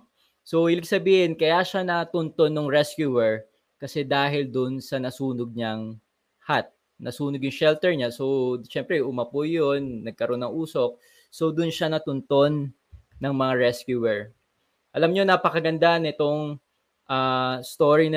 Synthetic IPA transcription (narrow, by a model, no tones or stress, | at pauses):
so̞hɪlɪɡ̚sɐbiːhɪnkɐjaʃanɐt̪ʊnt̪onːoŋɹɛskjuwɛɹ | kɐsɛd̪aːɦɪld̪ʊnsɐnɐsuːnoɡ̚ɲaŋ | hat̪̚ | nɐsuːnoɡjʊŋʃɛlt̪ɛɹɲaso̞ʃɛmpɾɛʔʊmɐpʊjonːɐɡ̚kɐɾʔo̞nːɐŋʔuːso̞k̚ | so̞d̪ʊnʃanɐt̪ʊnt̪o̞nː | ɐŋmɐŋaɹɛskjuwɛɹ | ʔɐlamɲonapɐkɐɡɐnd̪anɪt̪oŋ | ʔaːst̪o̞ɹin